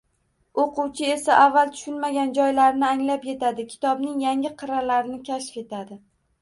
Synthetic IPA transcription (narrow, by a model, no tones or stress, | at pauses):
oqʰʊwt͡ʃʰɪe̞saʔavːalˠt̪ʰʊ̥ʃʊnmaɡʲand͡ʒɒjlaɾnɪaŋlapje̞t̪ʰad̪ɪkʲʰɪ̥t̪ʰɒbnɪŋjaŋʲɪqʰɨɾalaɾɪnɪkʲʰaʃfe̞t̪ʰad̪ɪ